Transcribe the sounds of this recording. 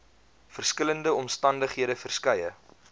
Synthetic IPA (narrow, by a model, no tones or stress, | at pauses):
fərskələndəɔmstɐndəχɦiədəfərskəjə